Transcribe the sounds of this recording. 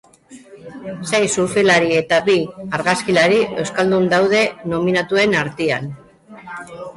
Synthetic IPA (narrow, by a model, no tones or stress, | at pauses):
se̞jsuɾfilaɾie̞t̪aβiaɾɣaskilaɾiʔe̞wskald̪und̪awð̞e̞no̞minat̪ue̞naɾt̪ian